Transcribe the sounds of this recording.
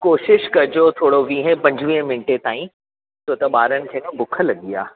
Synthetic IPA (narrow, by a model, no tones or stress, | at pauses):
koːʃɪʃkɐɾd͡ʑot̪ʰoːɽoʋiːɦẽpɐ̃ɲd͡ʑʱʋĩə̃mɪ̃ɳʈet̪aːĩ | t̪oːt̪ɐɓaːɾənɪ̆kʰeːkɐ̃bʊkʰə̆lɐɡija̰ː